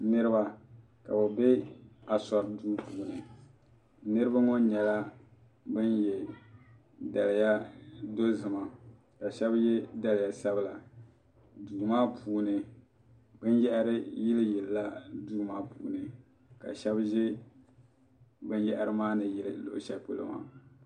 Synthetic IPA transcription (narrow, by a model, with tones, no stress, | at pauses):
nɨ˦ɾɨ˦ba˦ | ka˨bɨ˨be˦a˨sɔ˨ɾduː˦puː˨nɨ˨ | nɨ˦ɾɨ˦ba˦ŋo˦ɲɛ˨la˦ | bɨ˦njɛ˨ | da˨lɪ˨ja˦do˦zɨ˨ma˨ | ka˨ʃɛ˦bjɛ˦da˦lɪ˨ja˨sa˦bla˨ | duː˨maː˦pʰuː˨nɨ˨ | bɨ˦njɛ˦ʔa˦ɾɨ˦jɪ˦lɨ˦jɛ˨lːa˦duː˦maː˦pṵː˨nɨ˨ | ka̰˨ʃɛ˦bʒɛ˦ | bɨ˦njɛ˦ʔa˦ɾɨ˦maː˦nɨ˨jɪ˦lɨ˨lo̰˨ʔʃɛ˦k͡pɨ˨lɨ̰˨ma̰˨